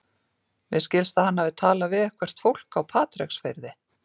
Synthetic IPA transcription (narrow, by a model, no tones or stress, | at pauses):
mɪðscɪlst̪ahanːavɪðt̪ʰaːlavɪðɛhkʰvɛr̥t̪fowl̥kawpʰaːt̪ɾɛksfejɾðɪ